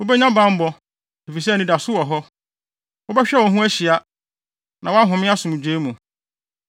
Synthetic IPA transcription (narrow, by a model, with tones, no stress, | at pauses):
o˦bɛ˦ɲã˦bã˦m̩˦bɔ˨ | e˨fi˨s̬ɛ˦˨nĩ˦da˨sʊ˦wɔ˨ɦɔ˦ | ʊ˦bɛ˦ɕᶣɛ˦wɔ˨ɦũ˦æ˦ɕi˨a˨˦ | nã˨wɔ˦a˦ɦʊ̃˨mɪ̃˦a˦sʊ˨ũ˨d͡ʑᶣeː˦mũ˨